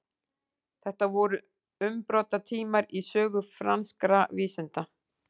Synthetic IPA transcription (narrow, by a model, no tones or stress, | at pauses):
θɛht̪avɔɾʏ | ʏmpɾɔːt̪at̪ʰiːmaɾisœːɣʏfɾanskɾaviːsɪnt̪a